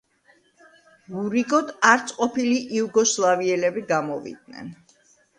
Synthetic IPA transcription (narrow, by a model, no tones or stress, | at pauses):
ɡuɾiɡʼɔd̪aɾt̪sʼqʼɔpiliʔiuɡɔslˠaviɛlɛbiɡamɔvḭd̪̚nɛ̰n